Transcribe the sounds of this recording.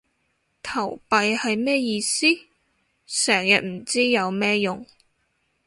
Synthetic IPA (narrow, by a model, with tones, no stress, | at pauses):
t̪ʰɐ˨˩wpɐ˨jhɐ˨jmɛː˥jiː˨˧siː˥ | sɛː˨˩ŋjɐ̰˨t̚m̩˨˩t͡siː˥jɐ˨˧wmɛː˥jʊ˨ŋ